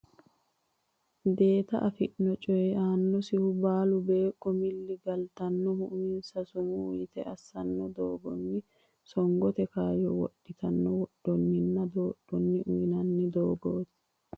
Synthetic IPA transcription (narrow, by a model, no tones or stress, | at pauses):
d̪e̞ːt̪ɐ̰ʔɐfɪʔnɔt͡ʃʼɔjɛaːnːɔsɪhʊbaːlʊbe̞ːkʼːɔmɪlːɪɡɐlt̪ɐnːɔhʊʔʊmɪnsɐsʊmʊʊ̰jɪt̪ɛʔɐsːɐnːɔd̪oːɡɔnːɪ | sɔŋɡɔt̪ɛkaːjɔwɔɗːɪt̪ɐnːɔwɔɗːɔnːɪnːɐd̪o̞ːɗːɔnːɪʔʊjɪnɐnːɪd̪oːɡoːt̪ɪ̥